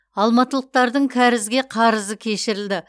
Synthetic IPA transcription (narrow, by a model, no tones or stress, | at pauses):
ɑlˠmɑt̪əlˠəq̚t̪ɑɾd̪əɴkʲʰæɾɪzɡʲe̞qʰɑɾəzəkʲʰe̞ʃɪɾɪld̪ɪ